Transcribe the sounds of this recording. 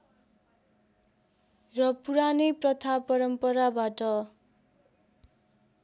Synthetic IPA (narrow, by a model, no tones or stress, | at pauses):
rʌpuɾaniprʌt̪ʰapʌɾʌmpʌɾabaʈʌ